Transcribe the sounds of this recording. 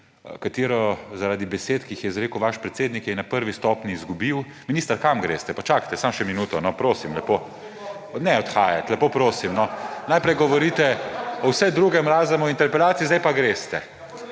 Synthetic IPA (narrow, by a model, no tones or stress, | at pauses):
kat̪eːɾɔzaɾaːd̪ibɛseːt̪kiːxjɛzɾeːkəwʋaʃpɾɛt̪seːd̪nikjɛnapəɾʋist̪ɔːpnʲiːzɡubiw | miniːst̪aɾkamɡɾḛst̪ɛpat͡ʃakḁt̪ɛsamʃɛminuːt̪ɔnɔpɾoːsimlɛpo | nɛɔt̪xaːjat̪lɛpoːpɾoːsimnɔnajpɾɛjɡɔʋɔɾiːt̪ɛɔwsɛd̪ɾuɡɛmɾaːzɛmɔint̪ɛɾpɛlaːt̪sizd̪ajpaɡɾest̪ɛ